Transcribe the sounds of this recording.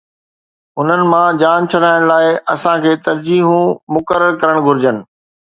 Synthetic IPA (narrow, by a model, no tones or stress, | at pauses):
ʊn̤ənɪ̆mãd͡ʑaːnt͡ɕʰɐɽaːɪɽ̃laːɪɐ̰sãkʰeːt̪ɐɾd͡ʑiːɦũmʊkəɾəɾkɐɾəɽ̃ɡʱʊɾɪd͡ʑənɪ̆